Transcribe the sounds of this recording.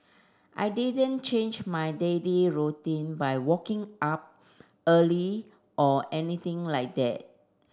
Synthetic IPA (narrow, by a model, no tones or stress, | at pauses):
ʔa̰ɪdidə̃nt͡ʃẽnd͡ʒmajdeliɹutĩnbajwɔkɪ̃ŋap̚ | əli | ʔɔʔɛniθɪ̃ŋlajk̚dɛ̰t̚